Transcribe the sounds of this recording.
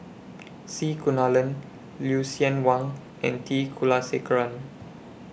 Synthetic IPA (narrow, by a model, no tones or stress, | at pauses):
sikunalə̃n | ljusiə̃nwãŋ | ɛ̰̃ntʰikʰulasekəɹãn